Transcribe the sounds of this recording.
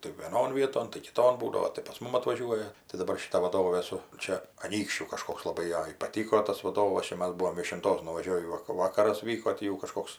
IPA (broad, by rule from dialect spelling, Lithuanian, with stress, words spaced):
tɐɪ ʋʲiɛˈnoːn ˈʋʲiɛtoːn tɐɪ kʲɪˈtoːn ˈbuːdɐʋoː tɐɪ pɐs ˈmʊm ɐtʋɐˈʒʲuɔjɛ tɐɪ dɐˈbɐr ʃʲɪˈtɐ ʋɐˈdoːʋʲeː ˈsʊ ˈt͡ʃʲɛ ɐˈnʲiːkʃʲt͡ʃʲuː kɐˈʃkoːks lˠɐˈbɐɪ ˈjɛɪ pɐˈtʲiːkoː ˈtɐs ʋɐˈdoːʋɐs ˈt͡ʃʲɛ ˈmɐs ˈbʊʋoːm ʋʲiɛʃʲɪnˈtoːs nʊʋɐˈʒʲoːʋʲiː ˈʋɐk ˈʋɑːkɐrɐs ˈʋʲiːkoː ˈtʲiː jɛʊ kɐˈʃkoːks